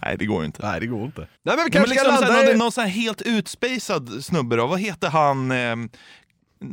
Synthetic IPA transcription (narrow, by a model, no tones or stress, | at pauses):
næ̰ɪd̪ɛɡo̰ːɾʊɪ̰nt̪əæ̰ɪd̪ɛɡoːɾɪnt̪ənæɪmɛnʋɪmɛnlɪkɔmsnɔnnɔnsɔnæːɾɦeːlt̪ʉ̟ːt̪spɛɪsad̪snɵbːəɾɑvɑɦeːt̪əɾɦan